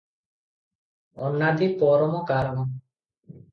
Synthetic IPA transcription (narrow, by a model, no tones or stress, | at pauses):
ɔnːat̪ipɔɾɔmɔkaɾmɔ